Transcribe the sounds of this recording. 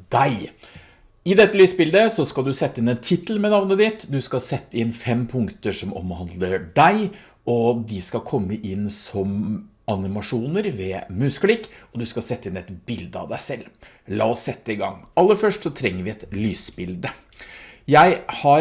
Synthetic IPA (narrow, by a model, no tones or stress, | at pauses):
d̪æɪ | ɪd̪ɛt̪ːəlyːsbɪld̪əsɔskɑld̪ʉsɛt̪ːɪnɛnt̪ʰɪt̪əlmɛnɑʋnəd̪ɪt̪d̪ʉskɑsɛt̪ːəɪnfɛmpʰʊŋkt̪əʂɔmɔ̰mhɑnd̪ləɖæɪ | ɔd̪ɪskɑkʰɔmːəʔɪnsɔm | ɑnɪmɑʂuːnəɾʋɛmʉsklɪkːɔd̪ʉskɑsɛt̪ːəɪnɛt̪bɪld̪əɑ̰ʋd̪æɪsɛlː | lɑ̰ːɔsːɛt̪ːəɪɡɑ̰ŋːɑlːəɾfœʂʈsɔt̪ʰɾɛŋːəɾʋɪɛt̪lyːsbɪld̪ə | jæɪhɑ